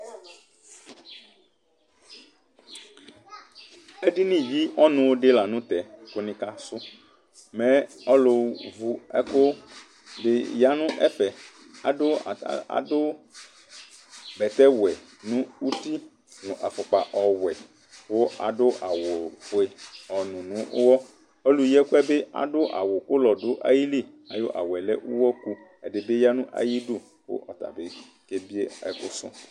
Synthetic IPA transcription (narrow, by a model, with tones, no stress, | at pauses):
e˦ɖi˦nĩ˦vi˦ʔɔ˦nũ˨˦wo˦ɖe˦la˨nũ˦t̪ɛ˨ko˦nĩ˦ka˦sʊ˦ | mɛ̃˦ɔ˦lo˨˦vu˦ɛ̰˦ko˦ | be˨ja˨nũ˦ʔɛ̰˦ɸɛ˨ | a̰˨ɖo˦˨˦a̰˨do˦ | bɛ˨t̪ɛ˦wɛ˨ | nũ˦u˦ti˦ | nũ˨ʔa˨fɔ˨k͡pa˨ʔɔ˨wɛ˨ | wo˦ʔa̰˨ɖo˦ʔa˨wo˨fo˨e˨ɔ˨nũ˨nũ˨˦ʔo˦wɔ˦ | o˦lu˦jɛ˦ko˦ɛ˦be˦a̰˨ɖo˦ʔa̰˨wo˨ko˦lɔ˨do˨˦ʔa̰˨ji˦li˦˨ | a˨jo˦ʔa̰˨wɛ˨le˦ʔu˦wɔ˦ku˦ | e˨ɖe˨be˦ja˦nũ˦ʔa̰˨ji˦ɖu˦ | wo̰˦ʔɔ˨t̪a̰˨be˦ | ke˦bi˦e˦ɛ̰˨ɸo̰˦sɔ̰̃˦